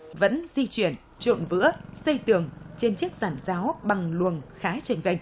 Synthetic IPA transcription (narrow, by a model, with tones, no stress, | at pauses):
və̰˧˥nzi˧t͡ɕwi˧˩ən | t͡ɕo̰˧˨nvɨ̰˧˥əsə˧jt̪ɨ˨˩əŋt͡ɕe˧nt͡ɕi˦˥ək̚z̥aː˧˩nzaː˨˦wɓa˨˩ŋlwə˨˩ənxaː˨˦t͡ɕa˨˧˩jŋ̟za˧˩jŋ̟